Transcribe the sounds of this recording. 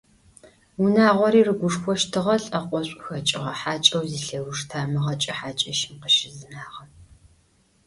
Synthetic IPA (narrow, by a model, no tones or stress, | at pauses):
wʊnaːʁʷɔɾiːrɨɡʷʊʂxʷɔʃtʰɨʁɐɬʼɐqʷʼɔɕʷʼʊxɐt͡ʃʼɪʁɐħaːt͡ʃʼɐwziːɬɐwʊʂtʰaːmɨʁɐt͡ʃʼɐħaːt͡ʃʼɐʃɪmqəʃɪzɨnaːʁɐ